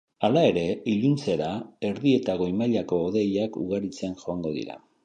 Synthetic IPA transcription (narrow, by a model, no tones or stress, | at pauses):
alae̞ɾe̞iʎunt͡se̞ɾae̞ɾðie̞t̪aɣo̞imaʎako̞ːðe̞jakṵɣaɾit͡senʝo̞aŋɡo̞ðḭɾa̰